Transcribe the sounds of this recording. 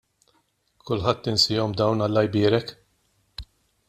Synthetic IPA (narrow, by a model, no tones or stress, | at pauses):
kʊlħɐt̪ːɪnsɪːɔmd̪ɐwnɐlːɐjbɪːɾɛk